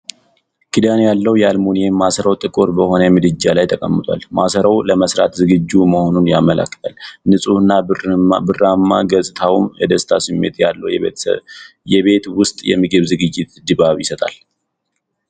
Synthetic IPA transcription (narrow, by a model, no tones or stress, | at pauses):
kʰid̪anjalːəwjalmonjemːasəɾəwt̪ʼɨkʼoɾbəho̞nəjɛmɨd̪ɨd͡ʒːalajt̪ʰəkʼəmːɨt̪ʼwa̰lmasəɾəwləməsɾat̪zɨɡɨd͡ʒːuməho̞nunjamːəla̰kːɨ̥t̪ʰʼalnɨsʼuhɨnːabɨramːaɡəsʼɨt̪ʰawmjɛd̪əst̪ʰasɨmːe̞̰t̪jalːəwj | jɛβe̞t̪wʊst̪ʼjɛ̰mɨɡɨβzɨɡɨd͡ʒːɪt̪d̪ɨbaβjɪsət̪ʼal